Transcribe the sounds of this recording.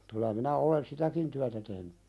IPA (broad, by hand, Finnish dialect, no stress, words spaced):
kylˑæ minæ olen sitækin tyætæ tehny